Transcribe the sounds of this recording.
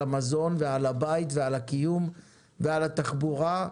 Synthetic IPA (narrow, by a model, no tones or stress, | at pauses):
amazo̞nvealabait̪vealakijum | vealat̪aχbuʁa